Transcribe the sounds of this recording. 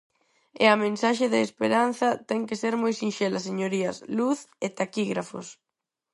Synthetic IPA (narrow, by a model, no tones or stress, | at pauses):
ɪ̰ɐmẽnsaʃɪðɪespeɾanθɐt̪ɛŋkeseɾmojsinʃelɐseɲoɾiɐsluθet̪akiɣɾafʊ̰s